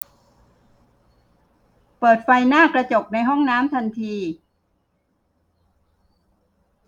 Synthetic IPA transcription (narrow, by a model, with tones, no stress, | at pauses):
pɤː˨˩t̪̚fa˧jnaː˥˩kɾa˧t͡ɕo˨˩k̚na˧jɦɔ˥˩ŋnaː˦˥mt̪ʰa˧nt̪ʰiː˧